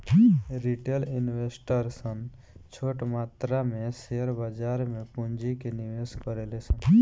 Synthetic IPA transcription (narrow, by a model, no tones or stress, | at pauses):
ɾiʈelɪnwesʈəɾsən | t͡ʃʰoːʈmaːt̪ɾamẽseəɾbad͡ʒaːɾmẽpund͡ʒikeniʋeːskəɾeːlesən